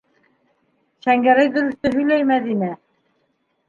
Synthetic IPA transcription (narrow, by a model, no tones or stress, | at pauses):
ʃæŋɡæɾæjðɵ̆ɾɘ̆t̪ːɵɦɵ̆jlæjmæðinæ